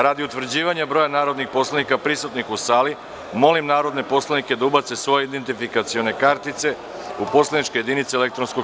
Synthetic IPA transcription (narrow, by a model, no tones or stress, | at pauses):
ɾad̪iut̪ʋr̩d͡ʑiːʋaɲabɾo̞janaːɾo̞d̪nixpo̞slˠanikapɾisut̪nixusaːli | mo̞limnaːɾo̞d̪ne̞po̞slˠanike̞d̪aubat̪se̞sʋo̞jeid̪ent̪ifikat̪sio̞ne̞kaɾt̪it̪se̞ | upo̞slˠanit͡ʃke̞je̞d̪init̪seelek̚t̪ɾo̞nsko